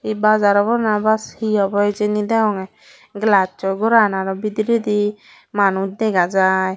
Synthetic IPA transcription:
ibazaɾɔbɔɾnabashiɔbɔjd͡ʒenid̪ɛɦɔŋɛ | ɡlat͡ʃɔɡɔɾanaɾɔbid̪ɾid̪i | manud̪ɛɡad͡ʒaj

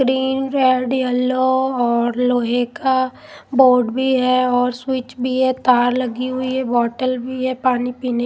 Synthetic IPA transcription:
ɡɾiːnɾɛːɖjɛloɔːɾloːɦeka | boːɖbʱiɦɛɔːɾswɪt͡ʃbʱiɦɛt̪aːɾlɐɡiɦʊiɦɛbɔːʈəlbʱiɦɛpaːnipiːne

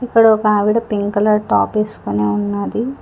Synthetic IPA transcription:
ikːɐɽɐɔkɐʋiːɽɐpiŋkɐlɐʈaːpeːsu̥koneːunːaːd̪i

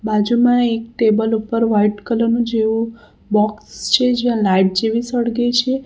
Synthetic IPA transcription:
bad͡ʒumãek̚ʈebəlupəɾʋaiʈkələnũd͡ʒeʋũ | bɔkst͡ʃʰed͡ʒeãlaiʈ̚d͡ʒeʋisəɽɡet͡ʃʰe

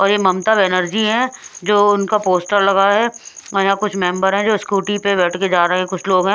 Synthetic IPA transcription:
ɔːɾjemɐmt̪əbɛnəɾd͡ʒiɦɛ̃d͡ʒoːʊnkapoːsʈəɾlɐɡaɦɛɐjãkʊt͡ʃʰmɛ̃ːmbəɾɦɛ̃d͡ʒoːskuːʈipebɛːʈʰked͡ʒaːɾeɦẽɦɛ̃kʊt͡ʃʰloːɡɦɛ̃ː

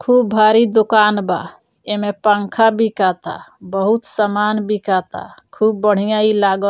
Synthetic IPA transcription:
kʰubbʱaɾid̪okanba̰ | emepãŋkʰabʱikat̪a̰bəɦut̪samanbʱikat̪a̰kʰubːəɽ̤ijãilaɡə

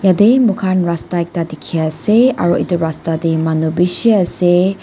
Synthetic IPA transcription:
jademukʰanɹastajk̚t̪adikʰiasea̰ɾoʔituɾastadimanubiʃiase

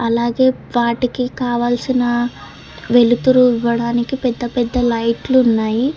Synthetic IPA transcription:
ɐlaːɡe̞ː | ʋaːʈikikaːʋaːlsinɐ | ʋe̞lut̪uɾuiʋːɐɽaːnikipɛd̪ːɐpɛd̪ːɐlɐjʈluːnːaːji

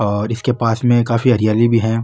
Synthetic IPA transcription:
ɔːɾɪskepaːsmẽkaːfiɐɾijaːlibʱiɦɛ̃ː

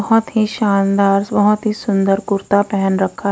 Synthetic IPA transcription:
ɦɔt̪ɦiʃaːnd̪aːɾsbəɦt̪ɦiːsʊnd̪əɾkʊɾt̪apɛɦənɾəkʰːaː

